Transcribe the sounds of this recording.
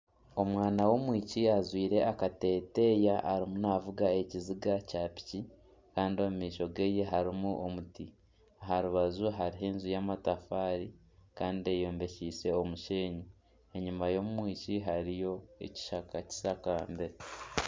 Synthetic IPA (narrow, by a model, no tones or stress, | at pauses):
o̞mwaːnawo̞mwiːciazwiːɾe̞ʔakate̞ːte̞ːjaʔa̰ɾimunavuɡae̞ciziɡacapi̥ci | kaːndio̞mumiːʃo̞ɡe̞je̞ɦaɾimuʔo̞muti | aɦaɾuβazuɦaɾiɦeːnzujaːmatafaːɾi | kaːndiejo̞ːmbe̞ciːse̞omuʃe̞ːɲi | e̞ɲumajo̞mwiːciɦaɾijo̞ḛci̥ʃakaci̥sakaːmbe